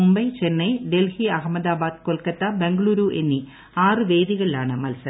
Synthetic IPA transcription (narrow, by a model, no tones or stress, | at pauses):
umbɐjt͡ɕenːɐjɖelhiɐɦɐmɐd̪aːbaːd̪̚kolkɐt̪ːɐbeŋɡɐɭuːɾuʔenːi | aːrɨʋe̞ːd̪iɣɐɭilaːɳɨmɐlsɐ